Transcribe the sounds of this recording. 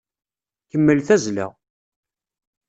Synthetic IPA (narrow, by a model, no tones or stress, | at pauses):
kəmːəlθæzlæ̰